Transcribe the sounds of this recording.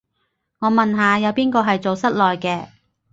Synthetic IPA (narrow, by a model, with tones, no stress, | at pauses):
ŋɔː˨˧mɐ˨nɦaː˨˧jɐ˨˧wpiː˥nkɔː˧ɦɐ˨jt͡so˨wsɐ˥t̚lɔː˨jkɛː˧